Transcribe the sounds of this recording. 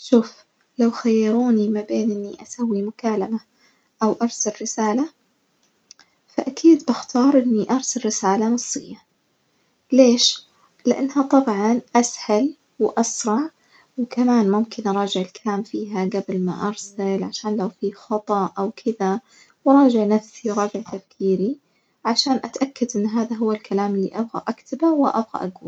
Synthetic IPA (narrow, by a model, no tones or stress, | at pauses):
ʃuːf | lawxajːɑɾˤuːnimabeːnʔɪnːḭʔasawːimʊkaːlama | ʔawʔɑɾˤsalːɪsaːla | faʔakʰiːd̪bɪxt̪ʰɑːɾˤʔɪnːiʔɑɾˤsalɾɪsaːlanɑsˤːɪjːa | leːʃ | lɪʔa̰nːhat̪ˤɑbʕɑnʔashal | wʔɑsɾˤɑʕ | wkamaːnmʊmkɪnʔɑɾˤɑːd͡ʒɪʕɪlkʰalaːmfiːɦaɡablma̰ʔɑɾˤsalʕaʃaːnlawfixɑt̪ˤɑʔawkʰɪða | wɾˤɑːd͡ʒɪʕnafsiɾˤɑːd͡ʒɪʕt̪afkʰiːɾi | ʕaʃaːnʔat̪ʔakːad̪ʔɪnːɦaːðaɦʊwːalkʰalaːmɪlːḭːʔabɣa̰ʔakt̪ʰabawɪʔa̰bɣa̰ʔaɡuːl